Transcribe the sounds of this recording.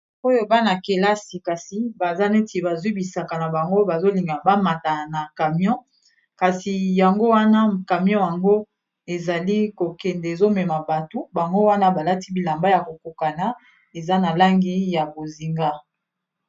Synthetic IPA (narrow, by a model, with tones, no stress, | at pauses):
o˦jo˦ba˦na˨ke˨la˦si˨ka˨si˨ba˨za˦ne˦ti˨ba˨zwi˦bi˨sa˨ka˨na˨ba˨ŋɡo˦ba˨zo˦li˨ŋɡa˨ba˦ma˨ta˨na˨ka˨mjɔ̃˦ | ka˨si˨ja˨ŋɡo˦wa˦na˦ka˨mjɔ̃˦ja˨ŋɡo˦ | e˨za˨li˦ko˨kɛ˨ndɛ˨e˨zo˦mɛ˨ma˨ba˨to˦ba˨ŋɡo˦wa˦na˦ba˨la˦ti˦bi˨la˨mba˦ja˨ko˨ko˨ka˨na˨˦ | e˨za˦na˨la˦ŋɡi˦ja˨bo˨zi˨ŋɡa˦